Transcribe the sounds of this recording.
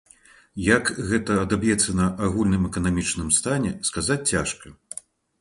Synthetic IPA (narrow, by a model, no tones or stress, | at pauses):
jakɣɛt̪ɐːd̪abjɛt̪sːɐnɐʔaɣulʲnɨmɛkɐnamʲit͡ʂnɨmst̪anʲɛskazat͡sʲt͡sʲaʂkɐ